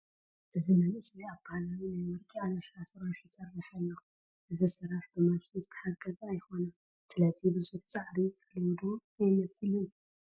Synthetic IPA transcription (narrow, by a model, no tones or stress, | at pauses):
ʔɨzinamɨsliaβb̥ahalawinajmɨɾkʼialaʃasɨɾaʃjɪsɐrːaħalːo | ʔɨzisɨrːaħbɨmaʃizɨt̪ʰɐ̥ħaɡɐzːjxo̞nɐ | sɨlɐzibɨzut̪ʰt͡sʼaʕɾik̪ʰɐlwd̪uajmɐsɨli